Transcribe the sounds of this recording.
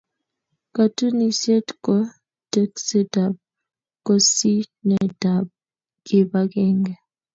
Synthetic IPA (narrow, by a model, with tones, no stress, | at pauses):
ka˨tu˦ni˨sje˦tkɔ˦ | tɛ˦ksɛ˦da˨b̚ | kɔ˨si˦nɛ˨da˨b̚ | kɪ˦ba˦kɛ˦ŋɡɛ˨